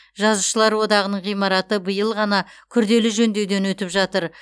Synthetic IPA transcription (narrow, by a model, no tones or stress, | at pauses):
ʒɑzuʃəlˠɑɾwo̞d̪ɑʁənəɴʁijmɑɾɑt̪əbəjəlˠʁɑnɑkʲʰʏɾd̪e̞lɪʒɵnd̪ewd̪e̞nwɵt̪ɪpʒɑt̪əɾ